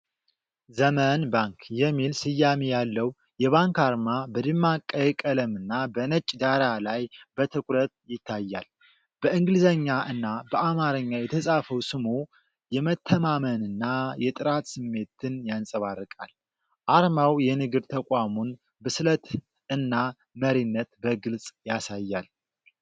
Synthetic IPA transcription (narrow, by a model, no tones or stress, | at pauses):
zəmənbaŋkjɛmːilsɨjːamejalːəw | jɛβaŋkaɾmabəd̪ɨmːakʼːəjɛkʼələmɨnːabənət͡ʃʼːd̪aɾalajbət̪ʰɨkʼɾət̪̚jɪt̪ʰːajːa̰l | b̥əɨŋɡlɨzəɲːaʔɨnːabəamaɾɨɲːajɛt̪ʰəsʼafəwsɨmu | jɛmət̪ʰːəmamənɨnːajɛt̪ʼɨɾat̪sɨmːe̞t̪ɨnjansʼəβarːɨkʼa̰l | ʔaɾmawjɛnɨɡɨɾt̪ʰəkʼamon | bɨslət̪ | ɨnːa | məɾinːət̪bəɡɨlsʼjasajːal